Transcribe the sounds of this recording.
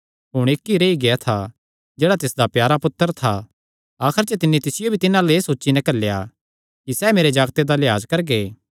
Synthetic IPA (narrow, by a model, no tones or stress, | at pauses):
ɦʊɽ̃eːkːiɾeiɡejat̪ʰa | d͡ʒeːɽat̪ɪsd̪apjaːɾapʊt̪ːəɾt̪ʰa | aːkʰəɾt͡ʃət̪ɪnːit̪ɪsɪjobʱit̪ɪnãleeːsoːtːʃinɛ̃kɐlːja̰ | kisɛːmeːɾed͡ʒaːɡt̪ed̪alja̰ːd͡ʒkɐɾɡeː